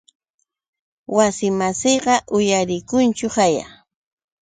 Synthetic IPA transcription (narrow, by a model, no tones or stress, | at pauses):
wasɪmasejɢɑʔʊjaɾɪkʊnt͡ʃʊhaja̰